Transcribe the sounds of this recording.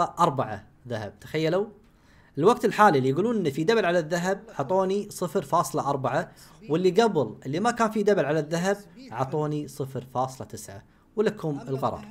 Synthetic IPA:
ɑʔɑɾˤbaʕa̰ | ðahab̚t̪ḁxajːala | ʔɪlwaɡt̪ɪlħaːlilːijɡuːluːnʔɪnːifid̪abalʕalaðːaɦab̚ʕɑt̪ˤoːnisˤɨfɾfɑːsˤlɑʔɑɾˤbaʕawɪlːiɡablʔɪlːimakaːnfid̪abalʕalaðːaɦab̚ʕɑ̰t̪ˤoːnisˤɨfɾfɑːsˤlɑt̪ɪsʕa̰ | wlakhʊmɪlɣɑ̰ɾˤɑ̰ɾˤ

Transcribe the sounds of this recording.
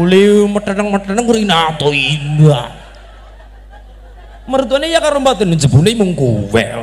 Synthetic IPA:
liməʈənəŋməʈənəŋkuɾinat̪ɔinda | məɾut̪̬uanejakaɾombat̪ənəd͡ʒə̤bulimuŋkuwɛ̰

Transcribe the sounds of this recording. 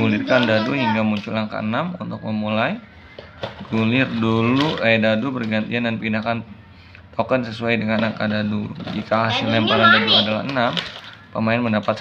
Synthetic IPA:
ulɪrkandaduɦiŋɡamuɲt͡ʃulaŋka̰ə̰namṵnt̪ʊk̚məmulaj | ɡulɪrduluadadubərɡant̪iandanpindakan | t̪okənsəsuajdəŋannakadadud͡ʒikaɦasɪlnampaɾandaduadala̰hənam | pəmaɪnməndapat̪

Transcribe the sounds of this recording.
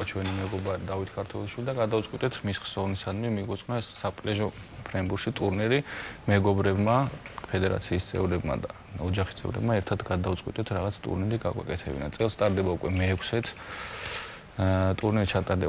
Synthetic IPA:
t͡ʃʰwɛnimɛɡɔbaɾid̪avit̪ʰkʰaɾt̪ʰwɛlˠiʃwilid̪aɡad̪avt̪sʼqʼwit̪ʼɛt̪ʰmisχsɔvnisad̪mimiɡɔt̪sʼnaɛssapʼlɛʒɔpʰɾɛmbuɾʃit̪ʼuɾniɾimɛɡɔbɾɛbmapʰɛd̪ɛɾa̰t̪sʰiːst̪sʼɛ̰vɾɛbma̰d̪a | ɔd͡ʒaχi̥st̪sʼɛ̰vɾɛ̰bmaɛɾt̪ʰat̪ɡad̪avt̪sʼqʼwḭt̪ʼɛt̪ʰɾaʁat̪sʰt̪ʼṵɾniɾiɡaɡwa̰kʼɛt̪ʰɛbḭnat̪sʼɛlˠst̪ʼaɾd̪ɛbaukʼwɛmɛːkʰsɛt̪ʰ | t̪ʼuɾniɾit͡ʃʰat̪ʼaɾd̪ɛ

